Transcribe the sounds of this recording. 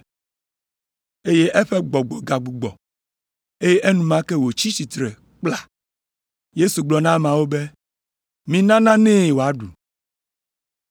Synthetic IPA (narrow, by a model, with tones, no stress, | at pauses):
e˦je˦ʔɛ˦ɸɛ˦ɡ͡bɔ˨ɡ͡bɔ˨ɡa˨ɡ͡bu˨ɡ͡bɔ˨ | e˦je˦ʔe˦nũ˨mã˦kɛ˦wo˨t͡ɕi˦si˨t̪ɾɛ˨ | k͡pla˨ | je˦su˨ɡ͡blɔ˨nã˦mã˨wo˦be˦ | mĩ˦nã˦nã˦nɛ̃˦˨wo˨a˦ɖu˨